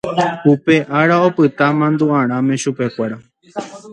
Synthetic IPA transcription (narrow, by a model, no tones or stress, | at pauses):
upe̞ʔaɾao̞pɨt̪amãnd̪uãɾ̃ãmẽʃupe̞kʷaɾa